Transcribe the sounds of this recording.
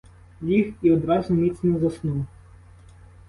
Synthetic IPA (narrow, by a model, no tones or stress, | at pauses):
lʲixiɔd̪ɾɑzʊmʲit̪snɛzɐsnuw